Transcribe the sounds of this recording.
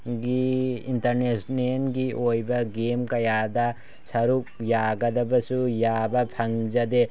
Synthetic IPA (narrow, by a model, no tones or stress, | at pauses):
ɡiintɐɾnesnenɡiʔojbɐɡemkɐjadɐ | sɐɾuk̚jaɡɐdɐbɐsujabɐpʰɐŋd͡ʒɐde